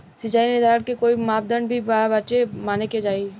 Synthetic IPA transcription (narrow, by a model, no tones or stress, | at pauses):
sɪt͡ʃaːinɪd̪aːɾkekoːimaːp̚d̪ənbʱibabət͡ʃemaːneked͡ʒaːi